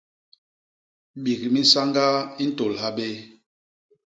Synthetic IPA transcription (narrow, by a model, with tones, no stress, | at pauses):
ɓi˨kmi˦sa˦ŋɡa˦i˦n̩˦to˨lha˦ɓe˦